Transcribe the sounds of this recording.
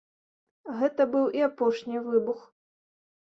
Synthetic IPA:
ɣɛt̪ɐbɨwʔiapɔʂnʲivɨbux

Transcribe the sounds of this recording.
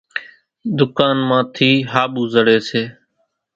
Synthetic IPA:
d̪ʊkaːnmãːt̪ʰiːɦaːɓuːzəɽeːseː

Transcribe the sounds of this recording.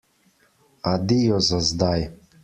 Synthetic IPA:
ad̪ijɔzazd̪aj

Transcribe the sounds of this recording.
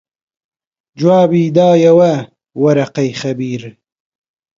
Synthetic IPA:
d͡ʒwaːbiːd̪aːjɐwɐ | wɐɾɐqɐjxɐbiːɾ

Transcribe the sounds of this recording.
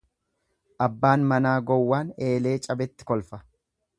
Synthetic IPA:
ʔɐbːaːnmɐnaːɡɔwːaːne̞ːle̞ːt͡ʃʼɐbɛt̪ːɪ̥kɔlfɐ

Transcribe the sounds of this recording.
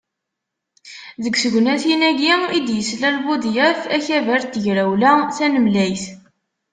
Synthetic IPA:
ðəɡsəɡʷnæθinæɡiid̪jəslælbud̪jæθæçævæɾt̪ːəʝɾæwlæθænəmlæjθ

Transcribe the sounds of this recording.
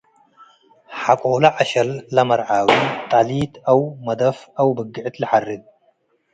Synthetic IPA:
ħakʼolɐʕaʃɐlːɐmɐɾʕawit̪ʼalit̪ʰawmɐd̪ɐfawbɐɡːɨʕt̪lɨħarːɨd̪̚

